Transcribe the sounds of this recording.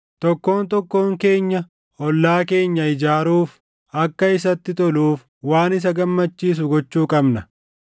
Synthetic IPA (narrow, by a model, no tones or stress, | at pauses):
t̪ɔkːo̞ːnt̪ɔkːo̞ːŋke̞ːɲːɐ | ɔlːaːke̞ːɲːɐɪd͡ʒaːɾuːf | ɐkːɐɪs̬ɐt̪ːɪt̪ɔluːf | waːnɪs̬ɐɡɐmːɐt͡ʃːiːs̬ʊɡɔt͡ʃːuːkʼɐbnɐ